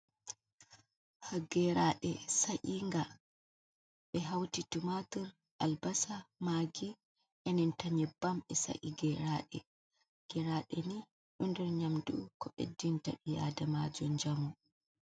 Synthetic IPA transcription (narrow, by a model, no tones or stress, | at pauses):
haɡɛɾaɗɛsaʔiŋɡa | ɓɛɦawtitumatɔɾ | ʔalbasamaːɡi | ʔɛnɛntaɲɛbːamɛsa̰ʔiɡɛɾaɗɛ̰ | ɡ̥ɛɾaːɗɛni | ɗɔndɛɾɲamdukɔɓɛ̰dːintaɓija̰damad͡ʒɔnd͡ʒamu